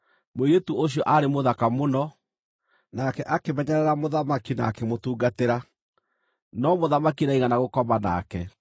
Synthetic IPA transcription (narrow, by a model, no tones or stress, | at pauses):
moiɾetuoɕ̬ijɔʔaɾemoðakamonɔ | nakɛʔakemɛɲɛɾɛɾamoðamakina̰ːkemotuːɡateɾa | nɔmoðamakinaiɣanaɣokɔmana̰kɛ